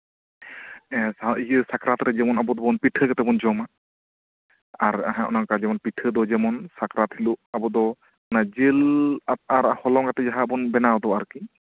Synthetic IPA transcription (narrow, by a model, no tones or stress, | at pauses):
ɛsaiisakɾat̪ɾɛd͡ʒɛmɔnabɔd̪ɔbɔnpiʈʰəkɛt̪ɛbɔnd͡ʒɔma | aɾaɦaɔ̰nakad͡ʒɛmɔnpiʈʰəd̪ɔd͡ʒɛmɔnsakɾat̪hiluabɔd̪ɔ | nad͡ʒil | aɾhɔlɔŋat̪ɛd͡ʒaɦaːbɔnbɛnawd̪ɔaɾki